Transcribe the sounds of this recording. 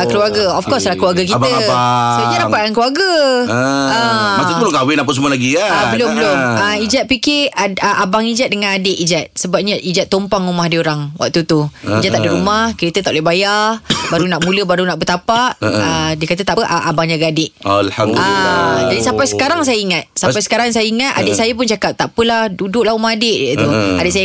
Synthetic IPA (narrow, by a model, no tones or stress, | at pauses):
kəluaɡəɔfkɔslahkluaɡək̬it̪əsəɲadapat̪̚kankluaɡə | əaəloŋkawɪnap̬əs̬əmuəlaɡiaabəlombəloməid͡ʒat̪̚pikɪəʔabaŋid͡ʒat̪̚dəŋãnadɪʔid͡ʒat̪̚səbap̚ɲaʔid͡ʒat̪ːompaŋumahdioɾaŋwa̰k̚t̪ut̪uid͡ʒat̪ːaʔdiɾumahkəɾit̪ət̪aʔloibajabaɾunaʔmũləbaɾunaʔbət̪apaʔədiəkat̪ət̪apʔaʔabaŋd͡ʒaɡadɪʔalhamdad͡ʒadisampajsə̥kaɾaŋs̬ajəiŋat̪sapajsə̥kaɾaŋsajəiŋat̪̚a̰dɪʔsajap̬ʊnt͡ʃakap̚t̪aʔpəlahdudʊk̚laɦumahadeʔdt̪uadɪʔsajə